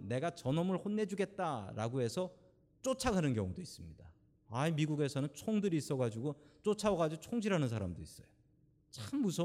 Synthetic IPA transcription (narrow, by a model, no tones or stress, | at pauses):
ne̞ɡat͡ɕʌnʌmɯɭhonːe̞d͡ʑuɡe̞t̚t͈aɾa̰ɡoɦe̞sʰʌ | t͡ɕ͈ot͡ɕʰaɡanɯnkjʌ̰ŋudois͈ɯmɲida | aimiɡuɡe̞sʰʌnɯnt͡ɕʰoŋdɯɾiːs͈ʌɡad͡ʑiɡot͡ɕ͈ot͡ɕʰawaɡad͡ʑiɡot͡ɕʰoŋd͡ʑiɾɦanɯns̬ʰaɾamdois͈ʌjo | t͡ɕamːus̬ʰʌ